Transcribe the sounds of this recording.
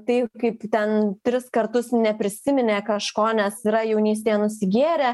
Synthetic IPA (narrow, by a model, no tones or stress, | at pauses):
t̪ɐɪkɐɪpt̪ʲɛntʲɾʲɪskɐrt̪ʊsnʲɛpʲɾʲɪsʲɪmʲɪnʲeːkɐʃkoːnʲɛsiɾɐjɛʊnʲiːsʲt̪ʲeːjɛnʊsʲɪɡʲeːɾʲe